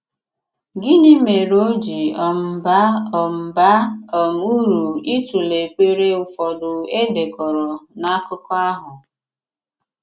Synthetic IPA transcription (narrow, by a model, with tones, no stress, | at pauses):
ɡɪ˦nɪ˦me˨ɾo˦d͡ʒi˨ɔ˨m̩˨ba˦ɔ˨m̩˨ba˦ɔ˨m˦u˦ɾu˨i˦tu˨le˨k͡pʷe˦ɾe˦ʊ˨fɔ˨dʊ˨e˦de˨kɔ˨ɾɔ˨na˦kʊ˦kɔ˦a˦ɦʊ˨